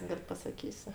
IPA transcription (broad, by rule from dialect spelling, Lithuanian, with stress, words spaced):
ˈɡɐlʲ pɐsɐˈkʲiːsʲʊ